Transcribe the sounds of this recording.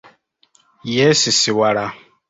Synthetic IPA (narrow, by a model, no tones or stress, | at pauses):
jɛsisiwaɾa